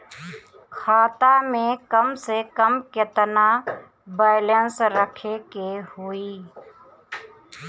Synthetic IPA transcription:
xʰaːt̪amẽkəmsekəmkɪt̪na | baːlənsɾəkʰekehuiː

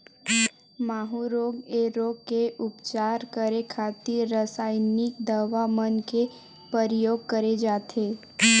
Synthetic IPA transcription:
maːɦuɾoːɡeɾoːɡ̚keʔʊpt͡ʃaːɾkəɾekʰaːt̪iɾɾəsaːɪnɪkd̪aʋamənke | pəɾɪjoːɡ̚kəɾed͡ʒaːt̪eː

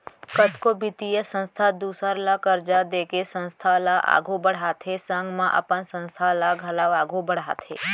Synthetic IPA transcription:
kət̪ʰkobɪt̪ijəsə̃nst̪ʰad̪uːsəɾlakəɾd͡ʒad̪eːkesə̃nst̪ʰalaʔa̰ɡʱubəɽ̤at̪ʰɦesə̃ŋɡmãʔə̰pənsə̃nst̪ʰalaɡʱəlaʋaːɡʱũbəɽ̤aːt̪ʰḛː

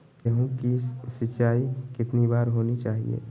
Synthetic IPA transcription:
jəɦũkisɪaːikɪt̪nibaːɾɦoːnit͡ʃaːɦḭḛː

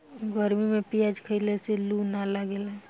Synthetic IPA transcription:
ɡəɾmimepijad͡ʒkʰəɪleselunaləɡelɛ̃

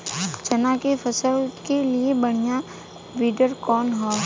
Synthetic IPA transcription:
t͡ʃɐnãkefʰɐsəlkeliebɐɽ̃ɪja | ʋiːɖəɾkɔːnɦɛː

